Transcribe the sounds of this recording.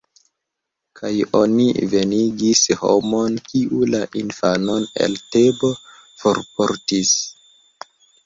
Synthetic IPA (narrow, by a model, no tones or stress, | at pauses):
kʰajo̞nḭve̞niɡisho̞̰mo̞nkiʔulaʔinfano̞ne̞̰ltebo̞ | foɾpoɾtis